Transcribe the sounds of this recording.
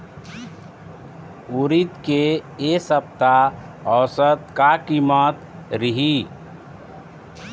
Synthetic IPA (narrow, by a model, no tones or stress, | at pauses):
uɾit̪keesəp̚t̪a | ɔːsət̪̚kakimət̪ | ɾiɦi